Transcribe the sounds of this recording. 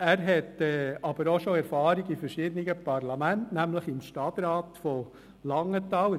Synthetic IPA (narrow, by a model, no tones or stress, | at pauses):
æɾɦɛtɛːɑb̥əɾoʃoɛɾfɑːɾiɡifəɾʃɪd̪əniɡəpɑɾlɑmæntnæmləχɪmʃtɑt̪ɾɑːt̪fɔ | lɑŋːətɑːw